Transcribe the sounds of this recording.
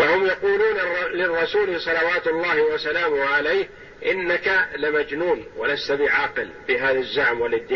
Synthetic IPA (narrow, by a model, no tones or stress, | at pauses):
wahʊmjɑquːluːnlɪrˤːɑsuːlisˤɑlɑwaːt̪ʊlˤːaːhɪwasalaːmhʕalajh | ʔɪnːakalɪmad͡ʒnuːnwalast̪abɪʕaːqɪlbɪɦaːðazːaʕmwalɪd̪ːɪ